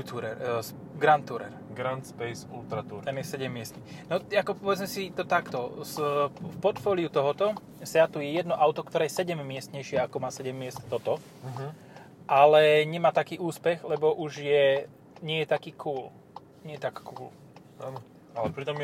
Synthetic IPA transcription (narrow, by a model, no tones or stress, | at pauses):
t̪uɾɛɾs | ɡɾant̪ːuɾɛ̰ɾ | ɡɾant̪spɛjsult̪ɾat̪uɾt̪ɛnɛsɛɟɛmːɪɛst̪ɲi | nɔakɔpɔʋɛd͡zmɛsit̪ɔt̪akt̪ɔsfpɔt̪fɔːliut̪ɔɦɔt̪ɔ | sɛat̪ujɛjɛd̪nɔʔaʊt̪ɔkt̪ɔɾɛːjɛsɛɟɛmːɪɛst̪ɲɛjʃɪɛakɔmaːsɛɟɛmːɪɛst̪t̪ɔt̪ɔ | ɦ | ʔalɛɲɛmaːt̪akiːʔuːspɛɣlɛbɔʔuʒjɛ | ɲɪɛjɛt̪akiːkʰuːl | ɲɛjɛt̪akkuːl | aːnɔ | alɛpɾit̪ɔmɛ